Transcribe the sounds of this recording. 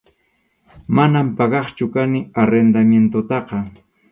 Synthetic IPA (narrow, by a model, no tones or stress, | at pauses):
manampɑɢɑχt͡ʃʊkanɪaɾend̪amjent̪ʊt̪ɑqɑ